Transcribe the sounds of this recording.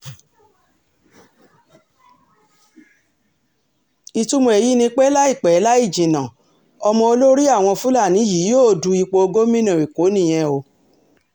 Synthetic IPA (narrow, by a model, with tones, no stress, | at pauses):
i˧tu˦mõ˧e˨ji˦nĩ˧k͡pe˦la˦i˦˨k͡pɛ˨˦la˦i˦˨d͡ʒĩ˨nã˨ | ɔ˧mɔ̃˧o˧lo˦ɾi˦a˦˨w̃ɔ̃˧fũ˦la˦˨nĩ˨˦ji˨˦joː˦˨du˨˧i˧k͡po˧o˧ɡo˦mĩ˦nã˨i˨ko˨˦nĩ˦˨j̃ɛ̃˧o˧